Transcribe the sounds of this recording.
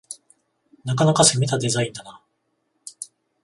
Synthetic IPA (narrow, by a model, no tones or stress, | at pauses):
nakanakasemʲit̪ad̪e̞zaĩnd̪ana